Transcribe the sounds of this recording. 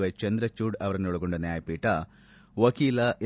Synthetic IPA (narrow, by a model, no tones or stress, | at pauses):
ʋet͡ʃɐnd̪ɾɐt͡ʃːuːɽɐʋɐɾɐnuɭuɡoɳɖɐnjaːjɐpiːʈːɐ | ʋɐkiːlɐʔe